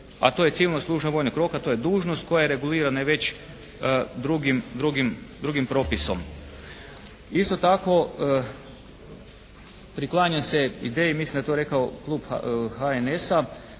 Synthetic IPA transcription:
a̰t̪oje̞siʋilnoslˠuːʒnaʋo̞jnokɾo̞kat̪o̞jed̪uːʒnost̪̚ko̞jajeɾe̞ɡuliːɾanaʋe̞t͡ɕ | d̪ɾuɡimd̪ɾuɡimd̪ɾuɡimpɾo̞piso̞̰m | ist̪ot̪ako̞ | pɾiklˠaːɲase̞id̪eːjimisind̪at̪oɾe̞kaoklˠuːb̰haenesa

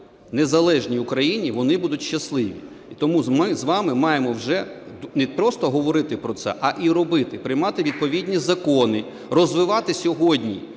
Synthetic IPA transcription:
nezɐlˠɛʒnʲiʊkɾɐjinʲiʋɔnɪbud̪ʊtʲʃːɐslˠɪʋʲḭ | it̪ɔmumɪzʋɑmɪmɑjemɔwʒɛnɛpɾɔst̪ɔɦɔʋɔɾɪt̪ɪpɾɔt̪sɛ̰ʔɐʔiɾɔbɪt̪ɪpɾɪjmɑt̪ɪʋʲid̪̚pɔʋʲid̪ʲnʲizɐkɔnɪ | rɔzʋɪʋɑt̪ɪsʲɔɦɔdʲnʲi

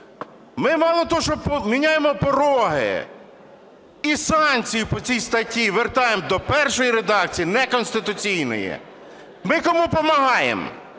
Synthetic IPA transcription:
mɪmɑlˠɔt̪ɔʃt͡ʃɔpɔmʲinʲajemɔpɔɾɔɦɪ̰ | isɑnkt͡sʲijipɔt͡sʲijst̪ɐtʲiʋert̪ɑjemd̪ɔpɛrʃɔjiɾed̪ɑkt͡sʲijinɛkɔnst̪ɪt̪ʊt͡sʲijnɔ̰jɛ̰ | mɪkɔmupɔmɐɦɑjḛm

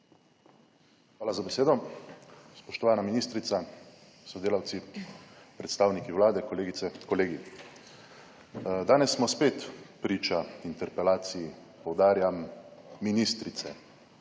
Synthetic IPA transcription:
xʋaːlazabɛseːd̪ɔ | spɔʃt̪ɔʋaːnaminiːst̪ɾit̪sa | sɔd̪eːlawt̪si | pɾɛt̪st̪aːwnikiwlaːd̪ɛkɔleːɡit̪sɛkɔleːɡi | d̪aːnɛsːmɔspeːt̪pɾiːt͡ʃaint̪ɛɾpɛlaːt̪siji | pɔwd̪aːɾjamːinist̪ɾit̪sɛ̰

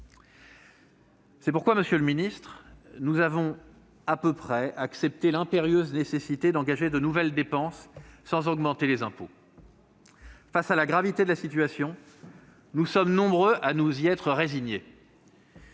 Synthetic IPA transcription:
sɛpuʁkwaməsjølminist̪χnuzavɔ̃ | apøpχɛaksɛp̚t̪elɛ̃peʁjøznesesit̪ed̪ɑ̃ɡaʒed̪ənuvɛld̪epɑ̃sːɑ̃zɔɡmɑ̃t̪elezɛ̃po | fasalaɡʁavit̪ed̪əlasit̪ɥasjɔ̃ | nusɔmnɔ̃bʁøʔanuziɛt̪χəʁeziɲe

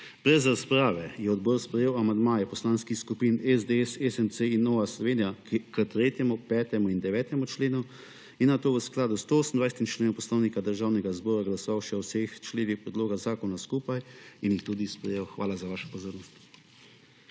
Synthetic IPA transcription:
b̥ɾɛzɾaspɾaːʋɛjɛɔd̪bɔːɾspɾɛjeːwamand̪maːjɛpɔslaːnskixskupinɛzd̪eɛsɛsɛnseinːɔːʋaslɔʋeːnijakət̪ɾeːt̪jɛmupɛːt̪ɛmuind̪ɛʋɛːt̪ɛmut͡ʃleːnu | inːat̪oːʋəsklaːd̪ust̪ooːsn̩d̪ʋajsɛt̪imt͡ʃleːnɔwpɔslɔːwnikad̪əɾʒaːwnɛɡazbɔːɾaɡlasɔʋawʃɛɔwsext͡ʃleːnixpɾɛd̪loːɡazaːkɔnaskuːpajinjixt̪uːd̪ispɾɛjewxʋaːlazaʋaːʃɛ̥pɔzoːɾnɔst̪

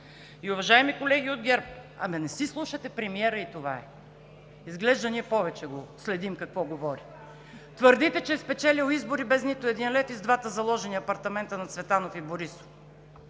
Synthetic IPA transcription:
iʊvɐʒaɛmikolɛɡʲiod̪̚ɡʲɛɾp̚ɐ̰mɛnɛsislˠuʃɐt̪ɛpɾɛmiɛɾəit̪ova̰ɛ | izɡlɛʒd̪ɐniɛpɔvɛt͡ʃɛɡoslɛd̪imkɐkvɔɡovɔɾi | t̪vəɾd̪it̪ɛt͡ʃɛspɛt͡ʃɛlilˠizboɾibɛznit̪ʊɛd̪inlɛfizd̪vat̪əzɐlˠɔʒɛniɐpɐɾt̪ɐmɛnt̪ənɐt̪svɛt̪anofiboɾiso̥

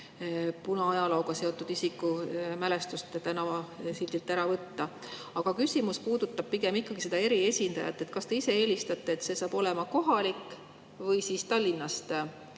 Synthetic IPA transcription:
punɑɑjɑlowɡ̥ɑse̞o̞t̪ːˑud̪isikːˑumæle̞st̪ust̪t̪ænɑsild̪ilt̪ːæɾɑvɤt̪ːɑ | ɑɡ̥ɑkysʲimuspuːd̪̥ut̪ːɑb̥̚piɡ̥e̞mikːɑɡ̥ise̞d̪̥ɑe̞ɾie̞sʲind̪ɑ̰jɑ̰t̪ːˑet̪kɑst̪e̞ise̞e̞ːlʲist̪ɑt̪ːˑeːt̪se̞sɑːb̥o̞le̞mɑko̞ɦɑlikːˑ | vɤjsist̪ɑlʲːinːɑst̪

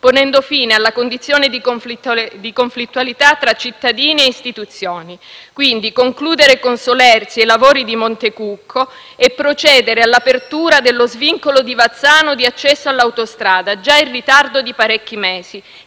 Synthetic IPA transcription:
ponɛnd̪ofiːnealːakond̪it̪sːjoːned̪i | d̪ikoɱflit̪ːwalit̪at̪ːɾat͡ʃːit̪ːad̪iːnieist̪it̪ut̪sːjoːnikwind̪ikoŋkluːd̪eɾekonsolɛrt̪sielavoːɾid̪imont̪ekukʰːo | epːɾot͡ʃɛːd̪eɾealːapert̪uːɾad̪elːozviŋkolod̪ivat̪sːaːnod̪iat͡ʃːɛsːoalːawt̪ost̪ɾaːd̪ad͡ʒairːit̪ard̪od̪ipaɾɛkːimeːz̥i

